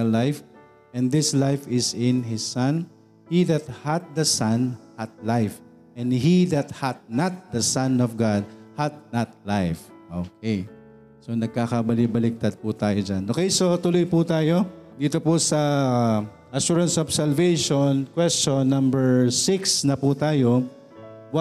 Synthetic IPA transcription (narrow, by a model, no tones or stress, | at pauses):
ɐlːajf | ʔɛ̃nd̪ɪslajfɪsɪ̃nhɪsːan | hid̪ɐt̪̚hɐt̪̚d̪ɐsɐnhɐt̪̚lajf | ʔɛ̃nd̪ɦid̪ɐt̪̚hɐt̪̚nɐt̪̚d̪ɐsɐ̃nɔfɡad̪̚hɐd̪̚nat̪̚lajf | ʔoːkej | so̞nɐɡ̚kaːkɐbɐlibɐlɪk̚t̪ɐd̪̚pʊt̪aːjod͡ʒanʔoːkɛjsot̪ʊlojput̪aːjo̞d̪iːt̪opʊsɐ | ʔɐʃuːɹɐnsɔbsɐlvejʃonkwɛst͡ʃonːɐ̃mbɛɹsɪksnɐput̪aːjo | wa